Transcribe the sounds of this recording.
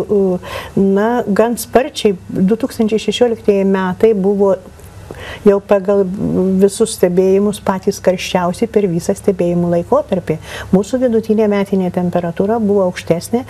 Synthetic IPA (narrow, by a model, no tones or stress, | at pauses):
nɐɡɐnspɐrʲt͡ʃʲɛɪd̪ʊt̪uːkst̪ɐnʲt͡ʃʲɛɪʃʲɛʃʲoːlʲɪkt̪iɛjɛmʲæːt̪ɐɪbʊʋoː | jɛʊpɑɡɐlˠʋʲɪsʊssʲt̪ʲɛbʲeːjɪmʊspɑːt̪ʲiːskɐɾʲʃʲt͡ʃʲɛʊsʲɛɪpʲɛɾʋʲiːsɐsʲt̪ʲɛbʲeːjɪmuːlˠɐɪkoːt̪ɐɾʲpʲeːmuːsʊʋʲɪd̪ʊt̪ʲinʲeːmʲæːt̪ʲɪnʲeːt̪ʲɛmʲpʲɛɾɐt̪uːɾɐbʊʋoːɐʊkʃʲt̪ʲæːsʲnʲeː